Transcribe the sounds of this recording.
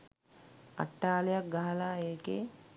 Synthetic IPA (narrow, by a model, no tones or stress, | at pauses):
a̰ʈːaːlejak̚ɡaɦalaːeːkḛ